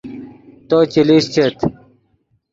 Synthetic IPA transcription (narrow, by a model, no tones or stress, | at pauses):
t̪ot͡ɕiliɕt͡ɕʰet̪